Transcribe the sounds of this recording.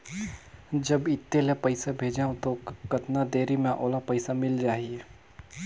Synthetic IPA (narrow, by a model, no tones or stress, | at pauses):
d͡ʒɐbɪt̪ːelepɐɪsabʱeːd͡ʒaːõt̪okɐt̪nad̪eːɾimẽʔoːlapɐɪsamɪld͡ʒaːɦie